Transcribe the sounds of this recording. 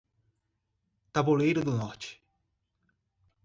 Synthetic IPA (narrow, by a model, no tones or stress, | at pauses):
t̪abolejɾʊd̪ʊnɔɾt͡ʃɪ̥